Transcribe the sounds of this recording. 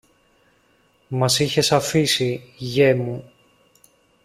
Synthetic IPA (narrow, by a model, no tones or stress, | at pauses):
mɐsiçe̞sɐfisiʝemu